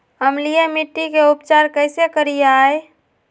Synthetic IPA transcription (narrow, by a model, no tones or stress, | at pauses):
ɦəmlijemiʈːikeupt͡ʃaɾkəɪsekəɾijaj